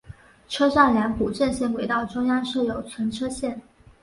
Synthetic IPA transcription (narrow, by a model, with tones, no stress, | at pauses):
ʈ͡ʂʰɤ˥ʂa˥˩nljɑ˧˥npu˨˩ʈ͡ʂə˥˧nɕjɛ˥˩nwe˧˥ɪt̪ɑ˥˩ʊʈ͡ʂʊ˥ŋjɑ˥ŋʂɤ˥˩jo˨˩ʊt͡ɕʰwə˧˥nʈ͡ʂʰɤ˥ɕjɛ˥˩n